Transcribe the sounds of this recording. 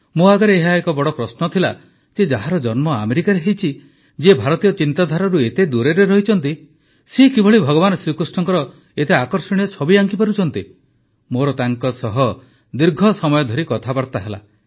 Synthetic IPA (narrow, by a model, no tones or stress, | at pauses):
moaɡɔɾeːɦaekɔbɔɽɔpɾɔsnɔt̪ʰila̰ | sed͡ʒaɦaɾɔd͡ʒɔnmɔa̰meɾikaɾeɦejt͡ʃʰi | d͡ʒiebʱaɾɔt̪ijɔt͡ʃint̪ad̪ʱaɾɔɾuet̪ed̪uɾeɾeɾɔɦit͡ʃʰɔnt̪i | sekibʱɔɭibʱɔɡɔβansɾikɾusʈɔŋkɔɾɔ | et̪eakɔɾsɔɽ̃ijɔt͡ʃʰɔbiaŋkipaɾut͡ʃʰɔnt̪i | moɾɔt̪aŋkɔsɔɦɔ | d̪iɾɡʱɔsɔmɔjɔd̪ʱɔɾikɔt̪ʰabaɾt̪aɦela̰